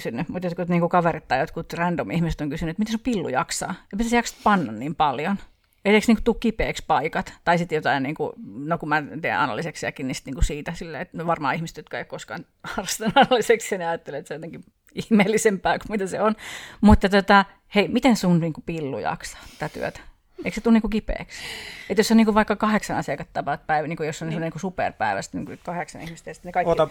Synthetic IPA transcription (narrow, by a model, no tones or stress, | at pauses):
synːymut̪jot̪kuniːŋkukɑʋerit̪t̪ːɑjjot̪kut̪rændomihmiset̪oŋkysynyet̪mit̪ensumpilːṵjɑ̰ksɑ̰ːepit̪æsjɑksɑ̥t̪pɑnːɑnniːmpɑljon | et̪eksniːŋkut̪uːkkːipḛːkspɑikɑt̪t̪ɑisit̪jot̪ɑinniːŋkṵnokumæt̪iḛʔɑ̰nɑ̰lːˑiseksiæ̰kinisi̥t̪niːŋkusiːt̪æsilːḛːet̪myʋɑrmɑ̰ːihmise̥t̪jot̪kɑeiokkoskɑ̰n | hɑrɑst̪ɑnɑnɑlːiseksɑneɑjɑt̪ːeleet̪sejot̪eŋki | ihmeːlːisempæːkumit̪æseonmut̪ːɑt̪ot̪ɑ | heimit̪ensunniːŋkupilːṵjɑ̰ksɑ̥ːt̪æ̥t̪æt̪y̰ø̰t̪æ̥ | ʔeikset̪ulniːkukipḛːkset̪josːoniːŋkuʋɑikːɑkɑheksɑnɑsiɑkɑt̪t̪ɑpɑt̪̚pæiʋniːŋkujosːonsemːoniːkusupḛrpæ̰iʋæ̰st̪nḭŋkusit̪kɑheksɑ̰nihmiset̪jɑsi̥t̪ːnekɑioɑ